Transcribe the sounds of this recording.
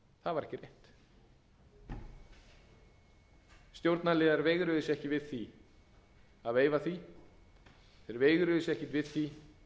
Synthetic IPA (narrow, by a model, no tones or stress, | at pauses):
θaðvaɾɛhcɪrejht̪ | st̪jowɾt̪nalɛːðaɾvejɣɾʏðɪsɛhcɪvɪðθi | aðeːjvaθi | θeɾvejɣɾʏðɪsɛhcɪt̪vɪðθi